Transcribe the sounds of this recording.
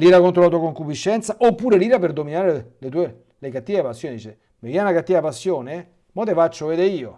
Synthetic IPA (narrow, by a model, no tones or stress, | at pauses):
liːɾakont̪ɾolat̪uakoŋkupiʃːɛnt̪saʔopːuːɾeliːɾaperd̪ominaːɾelet̪uːe | lekat̪ːiapasːjoːned̪it͡ʃe | mevianakat̪ːiapasːjoːne | mot̪efat͡ʃːoveːd̪eiːo